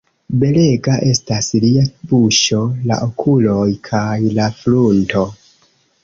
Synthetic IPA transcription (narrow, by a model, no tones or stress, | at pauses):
be̞le̞ɡaʔe̞stasliabuʃo̞la̰ʔokʰulo̞jkʰajlaflunto̞